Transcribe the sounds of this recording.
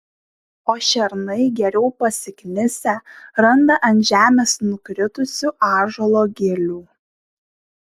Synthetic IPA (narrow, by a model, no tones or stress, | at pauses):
oːʃʲɛɾnɐɪɡʲɛɾʲɛʊpɐsʲɪknʲɪsʲɛˑɾɐnd̪ɐʔɐnt̪ʒʲæːmʲeːsnʊkɾʲɪt̪ʊsʲʊʔɑːʒɔlˠoːɡʲɪlʲuː